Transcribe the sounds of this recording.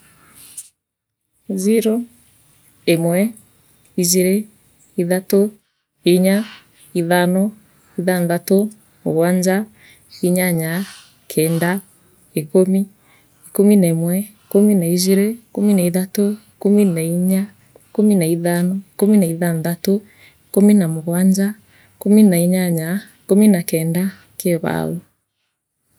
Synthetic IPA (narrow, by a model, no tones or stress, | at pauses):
ziɾo | emwɛ | iziɾe | iðato | eɲa | iðanɔ | iðanðato | ɣwaɲd͡ʒa | iɲaɲa | kʰɛːnda | ekomi | ikominaimwɛ | kominaiziɾekominaiðato | kominaiɲa | kominaiðanɔekominaiðanðato | ekominamoɣwaɲd͡ʒa | kominaiɲaɲaekominakɛnda | keβa̰lo